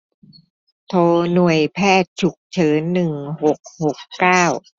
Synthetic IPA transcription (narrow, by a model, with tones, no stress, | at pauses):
t̪ʰoː˧nu˨˩əjpʰɛː˥˩t̪̚t͡ɕʰu˨˩k̚t͡ɕʰɤː˩˦nːɯ˨˩ŋho˨˩k̚ho˨˩kːaː˥˩w